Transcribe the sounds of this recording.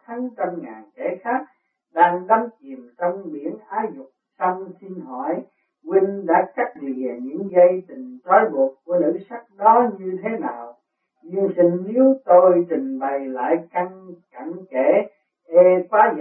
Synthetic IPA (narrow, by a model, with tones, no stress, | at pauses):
t̪ʰa˨˦ŋt͡ɕə˧mŋaː˨˩nkɛ̰˧˩xaː˦˥k̚ | ɗaː˧ŋɗɔ˨˦mt͡ɕi˨˩əmt͡ɕɔ˧wŋ͡mɓi˧˩ənʔaː˨˦wzʊ˨˩k͡p̚sɔ˧wŋ͡msi˧nɦɔ˧˩j | ki˧ŋ̟ɗa̰ː˧˥ka˦˥k̚li˨˩əɲɨ̰˧˥ŋzə˧jt̪ï˨˩ŋ̟t͡ɕɔ˨˦jɓu˨˩ət̚ku˧˩ənɨ̰˧˥sa˦˥k̚ɗɔ˨˦ɲɨ˧t̪ʰe˨˦naː˨˩w | zi˧əŋsi˧ŋ̟ni˨˦wt̪o˧jt͡ɕï˨˩ŋ̟ɓə˨˩jla̰ː˧˨jka˧ŋka˧˩ŋkɛ˧˩ | ʔɛ˧kwaː˨˦z